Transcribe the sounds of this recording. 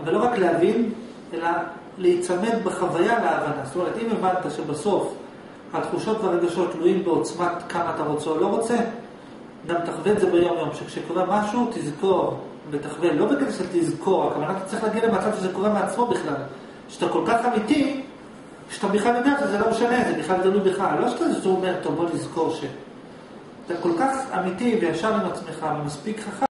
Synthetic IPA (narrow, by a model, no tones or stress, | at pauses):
avalo̞ʁakleavin | e̞la | leit͡same̞nbeχavajaleːvanazot̪o̞me̞ʁ̞et̪imevad̪t̪aʃebaso̞f | hat̪χuʃo̞tveaʁeɡaʃo̞tːluimbeot͡smatkamaːt̪aʁo̞t͡seolo̞ʁo̞t͡se̞ | ɡamt̪aχveːtzebejo̞mjo̞mʃekʃekoʁemaʃutizko̞ʁ | bet̪aχvelo̞bekedeʃet̪izko̞ʁakavanat̪ḁt͡sʁiχlaːɡidlemat͡sadʃezeko̞ʁemeat͡smo̞biχlal | ʃat̪ako̞lkaχamiti | eat̪abiχalːideaχazelo̞meʃane̞zebiχlald̪alujbeχalːo̞ʃeat̪aiztument̪obolizko̞ʁʃe | at̪ako̞lkaχa̰mitivejafʃaʁimat͡sme̞χavemaspikχaχa